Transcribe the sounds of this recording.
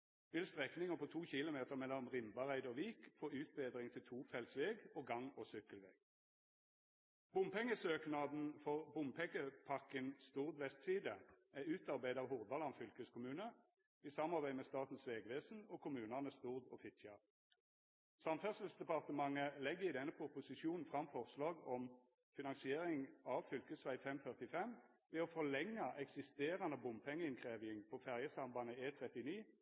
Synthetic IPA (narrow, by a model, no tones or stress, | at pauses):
ʋɪlst̪ʁɛknɪŋəpʰɔːt̪ʰuːçɪlʊmeːt̪əʁmɛlːɔmʁɪmbɑʁæɪd̪ɔʋiːkfoːʉːt̪̚beːd̪ʁɪŋt̪ʰɪlt̪ʰuːfɛlsʋeːɡoːɡɑŋɔsʏkːəlʋḛːɡ̥ | b̥ʊmpɛŋːəsøːknɑd̪n̩fɔʁbʊmpʰɛɡəpʰɑkənst̪uːʁd̪ʋɛst̪siːd̪əæʉːt̪ɑʁbæɪd̪ɑːʋhʊʁd̪ɑlɑnfʏlkəskʰʊmʉːnə | isɑmːɑʁbæɪmɛst̪ɑːt̪n̩sʋeːɡʋeːsn̩ɔkʰʊmʉːnəʁnəst̪uʁd̪ɔfɪt̪çɑʁ | sɑmfœʁsəl̩sd̪ɛpɑʁt̪əmɑŋːəlɛɡːəɪd̪ɛnːəpʰʊpʊsɪʃuːnn̩fʁɑmfɔʁslɑːɡɔm | fɪnɑŋsɪeːʁɪŋɑʋfʏlkəsʋæɪfɛmfœʁt̪ɪfɛm | ʋɛɔfɔlɛŋːɑʔɛksɪst̪eːʁɑnəbʊmpʰɛŋːəɪnkʰʁeːʋɪɪŋpʰɔfæʁjəsɑmbɑnəeːt̪ʰʁɛt̪ɪniː